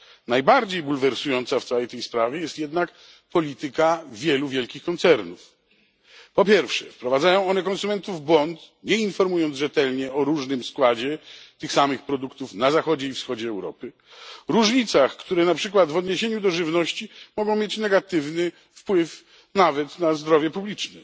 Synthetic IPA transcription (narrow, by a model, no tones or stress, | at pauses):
najbaɾd͡ʑejbulvɛɾsujɔnt̪saft̪sawɛjt̪ɛjspɾavʲjɛjɛst̪jɛd̪nak | pɔlʲit̪ɘkavʲjɛluvʲjɛlkʲixkɔnt̪sɛɾnuf | pɔpʲjɛɾfʂɛfpɾɔvad̪zajɔ̃w̃ɔnɛkɔnsumɛnt̪uvbwɔnt̪ɲɛinfɔɾmujɔnt̪ʐɛt̪ɛlɲɛɔɾuʐnɘmskwad͡ʑɛt̪ɘxsamɘxpɾɔd̪ukt̪ufnazaxɔd͡ʑɛifsxɔd͡ʑɛːwɾɔ̰pɘ | ɾuʐɲit̪saxkt̪uɾɛnapʂɘkwad̪vɔd̪ɲeɕeɲud̪ɔʐɘvnɔɕt͡ɕimɔɡɔ̃w̃mʲjet͡ɕnɛɡat̪ɘvnɘ | fpwɘf | navɛt̪nazd̪ɾɔvʲjɛpublʲit͡ʂnɛ